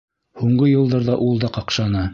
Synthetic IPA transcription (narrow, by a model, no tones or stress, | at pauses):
huɴɢɤjɤ̆lˠd̪ɑɾðɑʔulˠd̪ɑqɑqʃɑnɑ